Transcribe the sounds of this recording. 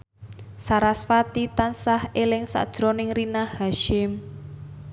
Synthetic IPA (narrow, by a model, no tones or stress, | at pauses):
saɾasfat̪it̪ansahelɪŋsa̰d̥ʒ̥ɾonɪŋrinahaʃɪm